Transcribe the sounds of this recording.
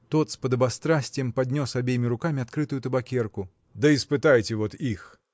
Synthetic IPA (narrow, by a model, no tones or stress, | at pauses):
t̪ɔt̪spɐd̪ɐbast̪ɾasʲt͡sʲjɛmpad̪ʲnʲɔsabʲejmʲiɾukamʲiat̪kɾɨt̪ujut̪ɐbakʲɛrku | d̪ɐispɨt̪ajt͡sʲɛvɔt̪ix